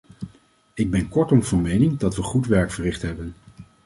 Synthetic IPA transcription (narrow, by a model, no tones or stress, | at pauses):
ɪɡ̚bɛnkɔɹtɔmvɑnmejnɪŋdɑtʋəχutʋɛɹkfərɪχtɦɛbən